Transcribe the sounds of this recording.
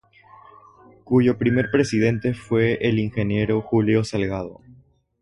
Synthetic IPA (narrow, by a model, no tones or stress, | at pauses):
kuʝo̞pɾime̞ɾpɾe̞siðe̞nt̪e̞fwe̞ʔeliŋxe̞nje̞ɾo̞xuljo̞salɣaðo̞̰